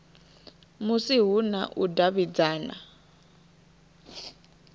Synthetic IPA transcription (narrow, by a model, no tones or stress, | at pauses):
musiɦuna̰ʔudaβid͡zaːna̰